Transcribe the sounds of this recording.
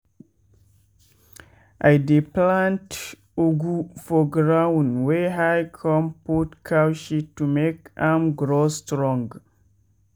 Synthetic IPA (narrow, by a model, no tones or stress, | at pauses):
ʔajdiplãnt | oɡufɔɡɹawnweɦajkʰɔ̃mpotkʰawʃitːumekamɡɾostɹɔ̃ŋɡ